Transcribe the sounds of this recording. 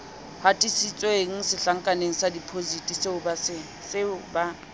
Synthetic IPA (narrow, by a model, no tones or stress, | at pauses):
hatʼisit͡sʼweŋ̩sɪɬaŋ̩kʼaneŋ̩sadipʰozitʼiseʊbasɪ | sɪʊba